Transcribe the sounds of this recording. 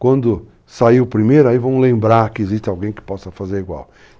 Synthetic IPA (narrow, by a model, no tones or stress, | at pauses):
kwɐ̃nd̪ʊ | saiwpɾimejɾʊaivɐ̃w̃lẽmbɾaɾkɪːziʃt̪ɪawɡẽj̃kɪ̥pɔsɐfazeɾiɡwa̰w